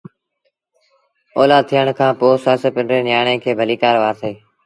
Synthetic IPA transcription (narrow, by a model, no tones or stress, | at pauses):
oːlaːd̪̚t̪ʰiːəɳkʰãːpoːsaːsəpɪɳẽːnɪjaːɳẽːkʰeːbʱəliːkaːɾʋaːɾt̪ʰeː